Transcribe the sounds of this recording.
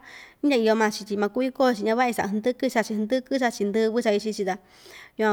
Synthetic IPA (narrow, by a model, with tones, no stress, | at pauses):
i˦ã˧i˧o˧mã˧t͡ʃi˧t̪ʲi˧mã˧ku˦i˦ko˦˨˧t͡ʃi˧ɲã˧βa˦i˧sa̰˨ʔa˧˨˧d̪ɨ˦kɨ˦t͡ʃa˧t͡ʃi˧nd̪ɨ˦kɨ˦t͡ʃ̬a˧t͡ʃi˧nd̪ɨ˧βɨ˦t͡ʃa˧i˧t͡ʃi˧t͡ʃi˧t̪a˧ | ɲũ˧ã˧